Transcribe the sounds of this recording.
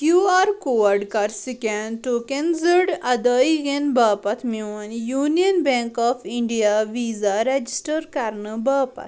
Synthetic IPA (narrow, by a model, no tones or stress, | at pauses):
kjuaɾkoʋaɾɖkaɾsikɛ̃nʈokẽnzəɽɐd̪əjɡenbaːpat̪ʰmiʋənjuːnijənbɛ̃ŋkɔfiɳɖijaʋiːzaɾed͡ʑisʈəɾkaɾɳəbaːpa̰t̪